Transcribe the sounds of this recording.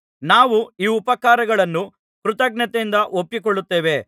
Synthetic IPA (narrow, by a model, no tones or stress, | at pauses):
naːʋuiːupɐkaːɾɐɡɐɭɐnːu | pkɾut̪ɐɡnɐt̪eind̪ɐʔopːikoɭːut̪ːeːʋe̞